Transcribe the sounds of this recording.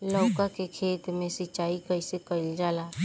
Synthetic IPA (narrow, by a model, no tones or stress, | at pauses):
lɔːkakekʰeːt̪mẽsit͡ʃaːikəɪsekəɪld͡ʒaːla